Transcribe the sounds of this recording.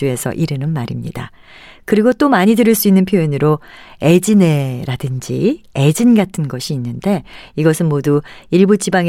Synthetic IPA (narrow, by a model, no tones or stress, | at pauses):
ue̞sʰʌ̰ʔiɾɯnɯnmaɾimɲida̰ | kɯɾiɡot͈omaɲidɯɾɯɭs͈uinːɯnpʰjoinɯɾoe̞d͡ʑine̞ɾadɯnd͡ʑḭed͡ʑinɡatʰɯnɡʌɕʰiːnːɯnde̞iɡʌsʰɯnmoduiɭbut͡ɕibaŋ